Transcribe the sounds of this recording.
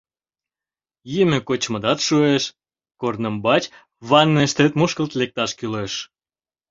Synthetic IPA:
jimʲekot͡ɕməd̪ɑt̪ʃueʃ | kornəmbɑt͡ɕ | βɑnːeʃt̪et̪muʃkəlt̪lek̚t̪ɑʃkyleʃ

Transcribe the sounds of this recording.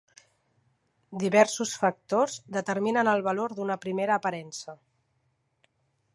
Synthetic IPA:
d̪iβɛɾsusfək̚t̪ozd̪ət̪əɾminənəlˠβəloɾd̪unəpɾimeɾəːpəɾɛnsə

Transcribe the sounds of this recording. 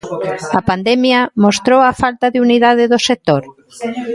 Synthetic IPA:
ɐpand̪ɛmjɐmost̪ɾowɐfalt̪ɐðeuniðað̞ɪðosek̚t̪oɾ

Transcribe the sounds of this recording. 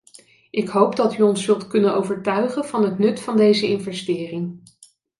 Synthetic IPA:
ʔɪkɦowpdɑtyɔnsɵlˠtkɵnənowvəɹtœɥχənvɑnɦətnɵtfɑndejzəɪnvɛstɪːrɪŋ

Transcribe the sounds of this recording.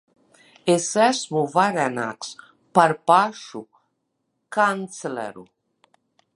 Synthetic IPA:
esæsmuvaɾɛna̰ːks | paɾpaʃu | kant̪slɛ̰ɾṵ

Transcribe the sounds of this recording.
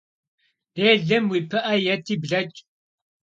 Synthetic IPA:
d̥eːɮɐmwipʰɐʔɐjɐt̪ʰibɮɐt͡ʃʼ

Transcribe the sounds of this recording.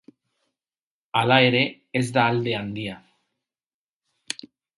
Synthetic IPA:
alaeɾe | ezðaːld̪e̞and̪ia

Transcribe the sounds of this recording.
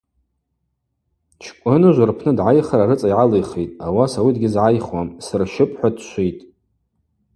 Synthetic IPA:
t͡ʃʰkʷʼʊnɨʒʷarpʰnɨdʕajχaɾaɾɨt͡sʼajʕalejχejtʼawasawidɡʲɪzʕajχwamsrʃɪpʼħʷadʃʷejtʼ

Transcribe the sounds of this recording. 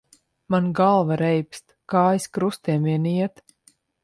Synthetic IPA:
manɡalˠvaɾɛjpst̪kaːjskɾust̪iɛmiɛniɛt̪

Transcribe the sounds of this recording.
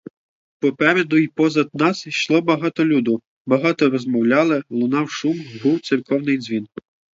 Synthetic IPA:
pɔpɛɾɛd̪ʊipɔzɐd̪̚nɑsʃlˠɔbɐɦɑt̪ɔlʲud̪ʊ | bɐɦɑt̪ɔɾɔzmɔwlʲɑlˠɪlˠʊnɑwʃumɦuwt̪sʲirkɔwnɪjd̪zʲʋʲin

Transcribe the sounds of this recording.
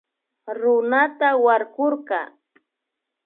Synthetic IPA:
ɾʊnat̪awaɾkoɾqɑ̰

